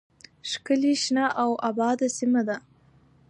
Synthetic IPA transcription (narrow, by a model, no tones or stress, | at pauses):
ʃkəliʃnaʔawʔabɑd̪asimad̪a